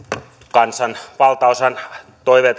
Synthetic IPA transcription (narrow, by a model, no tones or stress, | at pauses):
kɑnsɑnpɑlt̪ɑosɑn | t̪oiʋeːt̪